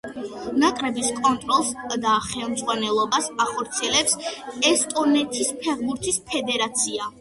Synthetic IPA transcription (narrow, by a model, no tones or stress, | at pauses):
nakʼɾɛbiskʼɔnt̪ʼɾɔlˠsd̪aχɛlˠmd̪zʁwanɛlˠɔbasaχɔɾt̪sʰiɛlɛpsɛst̪ʼɔnɛt̪ʰispʰɛʁbuɾt̪ʰispʰɛd̪ɛɾat̪sʰia